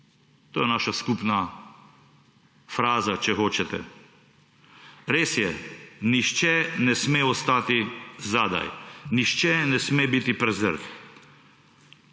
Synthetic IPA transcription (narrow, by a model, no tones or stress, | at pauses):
t̪oːjɛnaːʃaskupna | fɾaːzat͡ʃɛxoːt͡ʃɛt̪ɛ̰ | ɾeːsjɛniʃt͡ʃɛnɛsmeːɔst̪aːt̪izad̪a̰jniʃt͡ʃɛnɛsmeːbit̪ipɾɛzə̰ɾt